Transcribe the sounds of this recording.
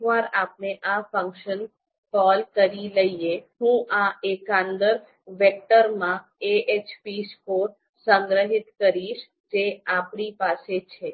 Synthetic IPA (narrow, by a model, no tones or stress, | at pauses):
ʋaɾapneʔafə̃ŋkʃən | kɔlkəɾiləiehũʔaekãnd̪əɾ | ʋek̚ʈəɾmã | eʔet͡ʃpiskoɾ | sə̃ŋɡɾəɦit̪kəɾiʃ | d͡ʒeapɳipaset͡ʃʰe